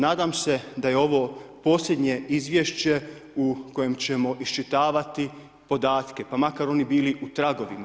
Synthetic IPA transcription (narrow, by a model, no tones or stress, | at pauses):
naːd̪amse̞d̪ajeo̞ʋopo̞ːslʲed̪ɲe̞izʋjeʃt͡ɕe̞ | uko̞je̞mt͡ɕe̞mo̞ʔist͡ʃit̪aːʋat̪i | po̞d̪aːt̪ke̞pamakaɾo̞nibiːliʔut̪ɾaɡo̞ʋima